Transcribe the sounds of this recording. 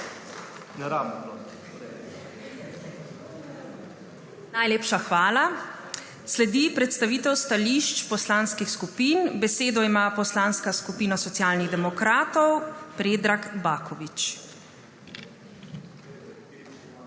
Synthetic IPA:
a | najleːpʃaxʋaːla | slɛd̪ipɾɛt̪st̪aʋiːt̪ɛwst̪aliʃt͡ʃpɔslaːnskixskupiːnbɛseːd̪ɔimapɔslaːnskaskupiːnɔsɔt̪sjaːlniɣd̪ɛmɔkɾaːt̪ɔwpɾeːd̪ɾakbaːkʰɔʋit͡ʃ

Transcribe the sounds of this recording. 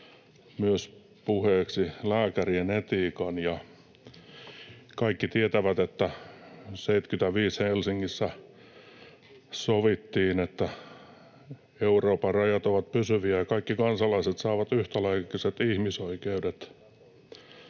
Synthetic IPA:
myøs | puheːksilæːkærienet̪iːkɑnjɑ | kɑikːit̪iet̪æʋæt̪et̪ːæ | seit̪kyt̪æʋiːshelsiŋːisːæ | soʋit̪ːiːnet̪ːæ | euroːpɑrɑjɑt̪oʋɑt̪pysyʋiæjɑkɑikːikɑnsɑlɑiset̪sɑːʋɑt̪yht̪ælæikːiset̪ihmisoikeudet̪

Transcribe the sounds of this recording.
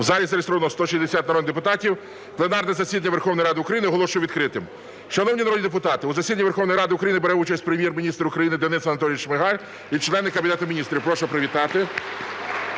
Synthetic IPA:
wzɑlʲizɐɾʲɪst̪ɾɔʋnɔst̪ɔʃizʲd̪esʲɑt̪nɾɔd̪nɪd̪epʊt̪ɑtʲiw | plˠenɑrnɛzɐsʲid̪ɐnʲɐʋerxɔwnɔjiɾɑd̪ɪʊkɾɐjinɪɦɔlˠɔʃʊjʊʋʲid̪kɾɪt̪ɪm | ʃɐnɔwnʲinɐɾɔd̪ʲnʲid̪ep̬ʊt̪ɑt̪ɪʊzɐsʲid̪ɐnʲɐʋerxɔwnɔjɾɑd̪ɪʊkɾɐjinɪbeɾɛut͡ʃɐsʲt̚ʲpɾemʲjɛrmʲinʲist̪ɾɐʊkɾɐjinɪd̪enɪsɐnɐt̪ɔlʲijʃmeɦɑlʲ | it͡ʃlˠɛnːɪkːɐmʲbʲinɛt̪ʊmʲinʲist̪ɾʲiwpɾɔʃɛpɾeʋʲit̪ɑt̪ɪ

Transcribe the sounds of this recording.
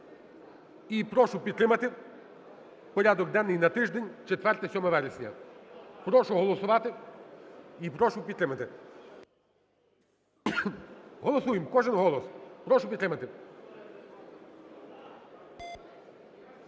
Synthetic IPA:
ipɾɔʃʊpʲid̪t̪ɾɪmɐt̪ɪ | pɔɾʲad̪ɔk̚d̪ɛnːɪjnɐt̪ɪʒd̪enʲt͡ʃet̪ʋɛrt̪ɛsʲɔmɐʋɛɾesʲnʲɐ̰pɾɔʃʊɦɔlˠɔsʊʋɑt̪ɪ | ipɾɔʃʊpʲid̪t̪ɾɪmɐt̪ɪ | ɦɔlˠɔsujɪmkɔʒɪnɦɔlˠɔspɾɔʃʊpʲid̪t̪ɾɪmɐt̪ɪ

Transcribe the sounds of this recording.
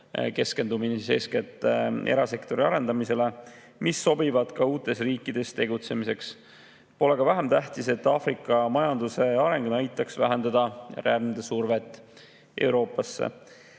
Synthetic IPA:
ke̞ske̞nd̪uminese̞̰sket̪ːˑe̞̰ɾɑse̞kt̪o̞ɾiɑɾe̞nd̪̥ɑmise̞le̞ | misːo̞bivɑd̪̥kɑuːt̪ːˑe̞sriːkːˑid̪̥e̞st̪e̞ɡut̪se̞mise̞ks | po̞le̞ɡ̥ɑvæɦemt̪æɦt̪ise̞t̪ːɑːfɾikːˑɑmɑjɑnd̪use̞ɑɾe̞ŋɡnɑjt̪ːˑɑksvæɦend̪ɑd̪̥ɑreæɾmd̪esurvet̪ːˑ | ʔe̞wɾo̞ːpˑːɑsːḛ

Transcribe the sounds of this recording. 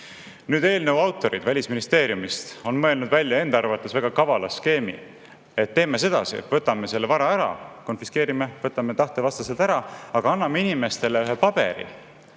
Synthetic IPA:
nyːd̪e̞ːlnəuɑwt̪ːˑo̞ɾid̪̥vælʲisminist̪e̞ːɾjumist̪o̞nmɤ̞elnud̪vælʲjɑe̞nd̪ɑɑrvɑt̪ːˑesvæɡ̥ɑkɑvɑlɑske̞ːmḭ | et̪ːe̞ːme̞s̬e̞d̪̥ɑ̰siḛt̪vɤt̪ːˑɑme̞se̞lːevɑɾɑæɾɑ̰ko̞nfiske̞ːɾimevɤt̪ːˑɑmet̪ɑht̪evɑst̪ɑse̞lt̪æɾɑɑɡ̥ɑɑnːɑme̞inime̞st̪e̞leyɦepɑb̥e̞̰ɾḭ

